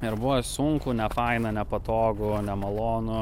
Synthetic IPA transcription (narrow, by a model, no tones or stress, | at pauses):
ɪɾbʊʋosʊŋkunʲɛfɐɪnɐnʲɛpɐt̪oːɡʊnʲɛmɐlˠoːnʊ